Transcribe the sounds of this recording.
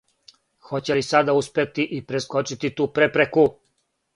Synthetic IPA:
xot͡ɕelisad̪auspet̪iʔipɾeskot͡ʃit̪it̪uːpɾepɾeku

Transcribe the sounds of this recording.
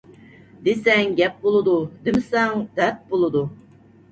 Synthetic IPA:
d̪esɛŋɡʲɛp̚bolˠɨd̪ud̪ɪmɪsɛŋd̪̥ɛt̪̚bolˠɨd̪u

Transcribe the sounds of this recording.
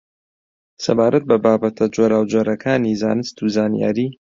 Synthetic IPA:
sɐ̰baːɾʔɐt̪̚bɐbaːbɐt̪ʰɐd͡ʒoːɾaːwd͡ʒoːɾɐkʰaːniza̰ːnɨst̪uzaːnija̰ːɾiː

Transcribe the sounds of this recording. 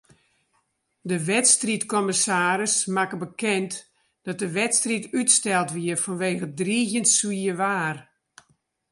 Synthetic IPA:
dəʋɛtstritkɔməsaːɾəsmakəbəkɛnt | d̥ɔt̚dəʋɛtstritytstɛlˠtʋiərfɔnʋeːɣədriːɣjəntswiəʋaːr

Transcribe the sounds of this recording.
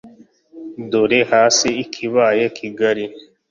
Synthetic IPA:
d̪oɾehaːsiːkʰiβaːjekʰiɡaɾi

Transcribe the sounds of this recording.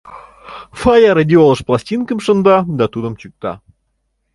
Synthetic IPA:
fajaɾɐdʲiolˠəʃplˠasʲtʲinkəmʃə̆nd̪ɑd̪ɑt̪ud̪əmt͡ɕyk̚t̪ɑ̰

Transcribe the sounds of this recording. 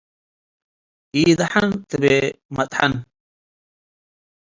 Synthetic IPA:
iːd̪aħant̪əbemɐt̪ʼħa̰n

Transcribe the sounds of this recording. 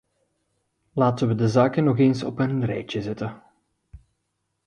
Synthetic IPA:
laːtənʋədəzaːkənɔɣeːnsɔpənrɛ̰jt͡ʃəzɛtə

